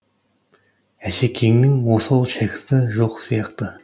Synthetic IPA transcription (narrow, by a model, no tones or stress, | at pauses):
æʃekʲʰe̞ŋnɪŋwosolˠʃækʲɪɾt̪ɪʒo̞qsijɑqt̪ə